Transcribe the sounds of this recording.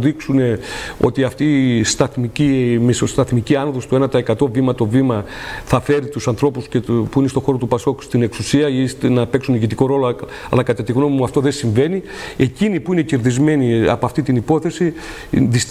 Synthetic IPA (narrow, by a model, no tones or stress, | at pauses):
iksune̞o̞̰t̪iɐft̪ist̪ɐθmicimesost̪ɐθmiciɐnoðost̪uenɐt̪ɐekɐt̪o̞vimɐt̪o̞vimɐ | θɐfe̞ɾit̪usɐnθɾo̞puscepuine̞st̪o̞xo̞ɾo̞t̪upɐso̞ku̥st̪ine̞ksusiɐist̪enɐpe̞ksuniʝit̪iko̞ɾo̞lo | ɐ̰lɐkɐt̪ɐt̪iɣno̞mimuɐft̪o̞ðesiɱve̞ni | e̞cinipuine̞ceɾðizme̞niɐ̰poɐft̪it̪inipo̞θe̞si | ðis